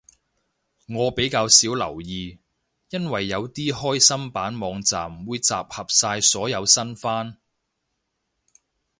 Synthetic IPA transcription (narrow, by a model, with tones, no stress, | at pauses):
ŋɔː˨˧pe˨˥jkaː˧wsiː˨˥wlɐ˨˩wjiː˨˧ | jɐ˥nwɐ˨˩jːɐ˨˧wt̪iː˥hɔː˥jsɐ˥mpaː˨˥nmɔː˨˧ŋt͡sa̰ː˨mwuː˨˧jt͡sa̰ː˨p̚hɐ˨p̚saː˧jsɔː˨˥jɐ˨˧wsɐ˥nfaː˥n